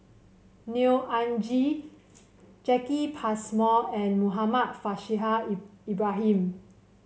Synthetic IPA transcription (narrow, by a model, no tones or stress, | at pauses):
niʔãnd͡ʒi | t͡ʃɛkipʰasmɔɛ̃nmuɦamat̚faʃiɦaibɹaɦĩm